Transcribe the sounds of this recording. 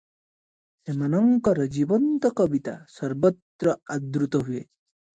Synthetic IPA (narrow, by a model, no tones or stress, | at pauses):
semanɔŋkɔɾɔd͡ʒibɔnt̪ɔkɔbit̪asɔɾbɔt̪ɾɔad̪ɾut̪ɔɦue